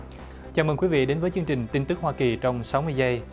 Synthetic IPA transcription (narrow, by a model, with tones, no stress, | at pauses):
t͡ɕaː˨˩məː˨˩ŋkwi˨˦vḭ˧˨ɗe˨˦nvəː˨˦jt͡ɕɨ˧əŋt͡ɕï˨˩ŋ̟t̪i˧nt̪ɨ˦˥k̚hwaː˧ki˨˩t͡ɕɔ˧wŋ͡msa˨˦wmɨ˧əjzə˧j